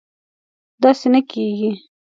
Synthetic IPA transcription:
d̪ɑsenəkeɡi

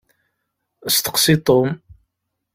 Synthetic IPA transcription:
əst̪ə̥qsit̪ˤom

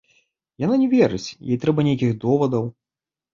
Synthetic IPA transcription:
jananʲɛvʲɛɾɨt͡sʲjɛ̰jt̪ɾɛbɐnʲejk̬ʲiɣd̪ɔvɐd̪ɐw

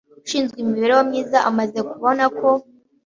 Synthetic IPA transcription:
uʃiːnzɡimiβe̞ɾewamɲiːzaʔamaze̞kuβo̞nako̞

